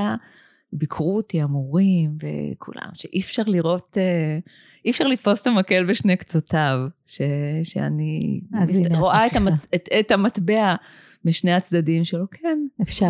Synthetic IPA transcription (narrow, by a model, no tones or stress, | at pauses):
a | bikʰʁuotiamuʁimvḛkʰṵla̰mʃḛʔifʃaʁliʁo̞t̪e | ifʃaʁlit̪fo̞st̪amake̞lbeʃnekt͡sotavʃeʃḛa̰nḭ | ʁoʔaetaaetamat̪bea | miʃnehat͡sd̪adimʃelokʰenefʃa